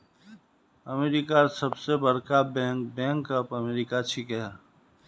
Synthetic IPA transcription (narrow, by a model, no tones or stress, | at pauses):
əmeːɾɪkasəbsebəɽkabɛ̃ːŋkbɛ̃ːŋkəpəmeːɾɪkat͡ʃʰikɦɛ